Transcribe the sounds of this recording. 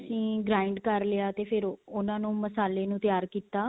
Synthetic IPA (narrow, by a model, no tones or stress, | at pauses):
sĩːɡɾaːɪɳɖkəɾleaːt̪eːpʰɪɾʊnãːnũːməsaːleːnũːt̪jaːɾkiːt̪aː